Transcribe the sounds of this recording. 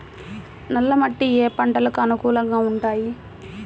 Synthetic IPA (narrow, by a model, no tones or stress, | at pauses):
nɐlːɐmɐʈːieːpɐɳʈɐlɐkːɯɐnukuːlɐŋɡaːʊɳʈaːji